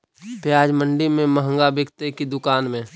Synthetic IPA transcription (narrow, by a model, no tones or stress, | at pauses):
pjaːd͡ʒmə̃ɳɖimẽməɦə̃ŋɡabɪkt̪ekid̪ʊkaːnmẽ